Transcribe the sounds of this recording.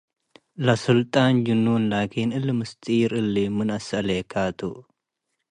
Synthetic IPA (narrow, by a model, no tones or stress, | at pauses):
lɐsɨlt̪ʼaːnd͡ʒɨnːunlaːkʰiːnɨlːɨmɨst̪ʼiːɾɨlːimɨnɐsɐleːkʰaːt̪ʰu